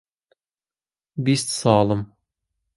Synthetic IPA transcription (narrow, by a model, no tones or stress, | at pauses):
bist̪sɑːlˠɤm